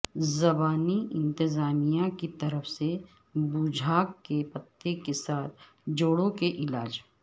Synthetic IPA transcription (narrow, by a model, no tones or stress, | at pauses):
zɐbaːniʔɪ̃nt̪ɪzaːmijakit̪ɐɾəfse | bʊd͡ʒʱaːkkːepɐt̪ːekesaːt̪̚ʰ | d͡ʒoːɽõkeʔɪlaːd͡ʒ